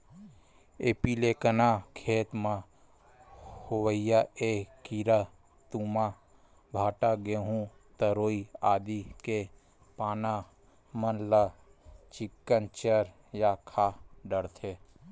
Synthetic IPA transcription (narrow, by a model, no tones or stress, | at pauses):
eːpiːlekənakʰeːt̪mã | howəijaekiɾa | t̪uːma | bʱaːʈaɡeɦũ | t̪əɾoːiaːd̪ike | paːna | mənla | t͡ʃɪkːənt͡ʃəɾ | jakʰaːɖəɾt̪ʰe